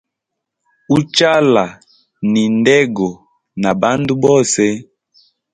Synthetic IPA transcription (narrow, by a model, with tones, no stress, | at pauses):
u˦t͡ʃa˦la˨ | ni˨ndɛ˦ɡɔ˨ | na˨ba˦ndu˦bɔ˦sɛ˦